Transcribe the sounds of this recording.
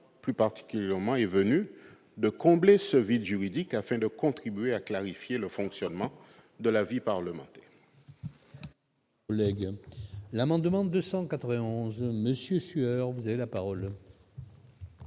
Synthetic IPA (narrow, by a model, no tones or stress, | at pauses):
plypaʁt̪i̥kʲyljɛʁmɑ̃ɛvəny | d̪əkɔ̃blesəvid̪ʒyʁid̪ikafɛ̃d̪əkɔ̃t̪χibɥeaklaʁifjeləfɔ̃ksjɔnmɑ̃ | d̪əlavipaʁləmɑ̰̃t̪ɛ | ɔlɛɡ | lamɑ̃d̪mɑ̃d̪øsɑ̃kat̪ʁəvɛ̃ɔ̃zməsjøsyœʁvuzavelapaʁɔl